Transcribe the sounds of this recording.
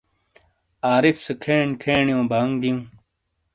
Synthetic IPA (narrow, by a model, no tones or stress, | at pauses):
aːɾifsekʰeːɳkʰeːɳjõːbʱaːŋɡd̪ijũː